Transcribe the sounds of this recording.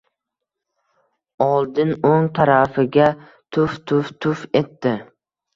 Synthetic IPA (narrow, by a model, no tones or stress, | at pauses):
ɒlˠd̪ɪnoŋt̪ʰaɾafɪɡʲa | t̪ʰʊft̪ʰʊft̪ʰʊfe̞t̪ːɪ